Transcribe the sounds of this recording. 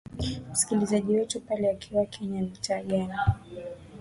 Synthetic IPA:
m̩si̥kilizaʄiwɛtupalɛakʰiwakʰɛɲamitaːɠani

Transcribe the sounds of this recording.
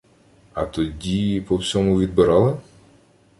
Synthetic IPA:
ɐt̪ɔdʲipɔwsʲɔmʊʋʲid̪̚bɪɾɑlˠɪ

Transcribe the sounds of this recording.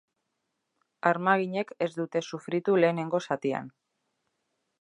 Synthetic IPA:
aɾmaɣ̞iɲe̞ke̞zd̪ut̪e̞sufɾit̪ule̞ːne̞ŋɡo̞sat̪ia̰n

